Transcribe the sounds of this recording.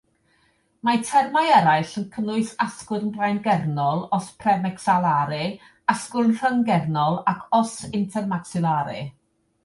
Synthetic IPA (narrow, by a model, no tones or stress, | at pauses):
matʰɛrmajɛɾaɨɬənkʰəlˠʊɨsaskʊrnblajnɡɛrnɔlˠɔspʰrɛmɛksalˠaɾɨ | askʊrnr̥əŋɡɛrnɔlˠakʰɔsɪntʰɛrmaksɪlˠaɾɨ̰